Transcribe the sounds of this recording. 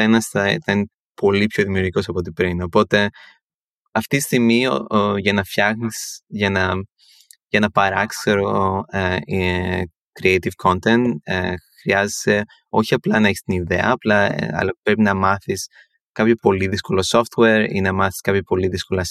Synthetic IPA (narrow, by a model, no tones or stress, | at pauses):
inɐsɐθɐine | po̞lipço̞ðimiuɾʝiko̞sɐpot̪ipɾino̞po̞t̪e̞ | ɐft̪it̪ist̪imiʝɐnɐfçɐxnisʝɐnɐ | ʝɐnɐpɐɾɐksseɾoe | kɾiejt̪ivkʰo̞nt̪ent̪xɾiɐzese̞ | o̞̰çiɐplɐnɐeçi̥st̪iniðe̞̰ɐːplɐ̰ɐ̰lɐpɾe̞pinɐmɐθis | kɐpçopo̞liðisko̞loso̞ft̪weɾḭnɐmɐθi̥skɐpçopo̞liðisko̞lɐs